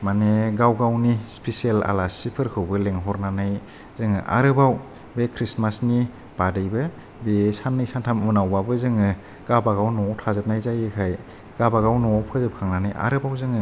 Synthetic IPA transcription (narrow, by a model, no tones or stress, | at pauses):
maneɡawɡawnispʰesiela̰lasipʰɯɾkʰɯwbɯleŋɦɔɾnanaj | zɯŋɯ̰ʔa̰ɾɯbaw | bekʰɾismasni | b̥adɯjbɯ | besanːɯjsantʰamɯnawbabɯzɯŋɯ | ɡ̥abaɡawnɔtʰazɯp̚najzajɯkʰaj | ɡ̥abaɡawnɔpʰɯzɯp̚kʰaŋnanajʔa̰ɾɯbawzɯŋɯ